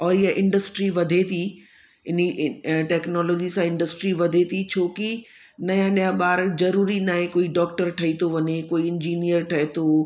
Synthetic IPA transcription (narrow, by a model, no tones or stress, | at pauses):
ɔːɾɪɦaʔɪ̃ɳɖəsʈɾiʋɐd̪ʱet̪ʰi | ɪniʈɛːknɔːlɔːd͡ʑisãɪ̃ɳɖəsʈɾiʋɐd̪ʱet̪ʰit͡ɕʰoːki | nɐjãɗijãɓaːɾzɐɾuːɾinaːɦẽkoːiɖɔːk̚ʈəɾʈʰɐit̪ʰoʋɐɲekoːiɪ̃ɲd͡ʑiːnijəɾʈʰɐɦet̪ʰo